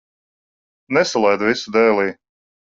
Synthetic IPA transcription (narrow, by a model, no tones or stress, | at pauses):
nɛsalˠɛjd̪visud̪ɛːlˠiː